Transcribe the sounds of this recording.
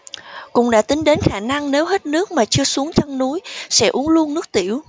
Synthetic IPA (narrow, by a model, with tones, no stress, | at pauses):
kʊ̰˧˩ŋ͡mɗa̰ː˧˥t̪ï˨˦ŋɗe˨˦nxaː˧˩na˧ŋne˨˦wɦe˦˥t̚nɨ˦˥ək̚maː˨˩t͡ɕɨ˧əsu˨˦əŋt͡ɕɔ˧ŋnu˨˦jsɛ̰˧˥ʔu˨˦əŋlu˧ənːɨ˦˥ək̚t̪i˧˩˨əw